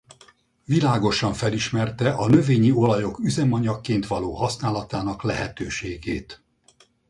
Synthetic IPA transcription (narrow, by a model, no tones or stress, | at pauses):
vilaːɡo̞ʃɒɱfɛliʃmɛrt̪ɛʔɒnø̞veːɲio̞lɒjo̞kyzɛmɒɲɒkːeːnt̪ʋɒloːɦɒsnaːlɒt̪aːnɒklɛ̰ɦɛt̪øːʃeːɡeːt̪